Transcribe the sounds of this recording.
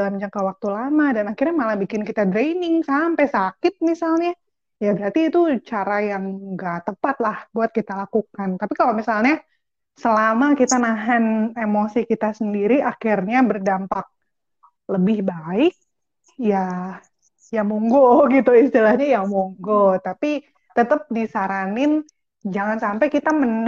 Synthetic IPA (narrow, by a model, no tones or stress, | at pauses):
dalamd͡ʒaŋkawak̚t̪ulamadanakirɲamalahbikɪnkit̪adɾejnɪŋsampajsakɪt̪̚misalɲa | jabəɾat̪iːt̪ut͡ʃaɾajaŋɡaʔt̪əpat̪̚lahbuat̪̚kit̪alakukant̪apikalomisalɲa | səlamakit̪anaɦanemosikit̪asəndiɾiʔakirɲabərdampak̚ | ləbɪhbaɪk̚ | ja | jamoŋɡoɡit̪uist̪ilahɲajaŋmoŋɡot̪api | t̪ət̪əp̚disaɾanɪn | d͡ʒaŋansampajkit̪amən